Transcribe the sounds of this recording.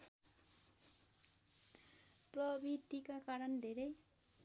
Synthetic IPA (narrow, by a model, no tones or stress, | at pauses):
prʌbid̪ikakaɾʌnd̪ʱeɾʌj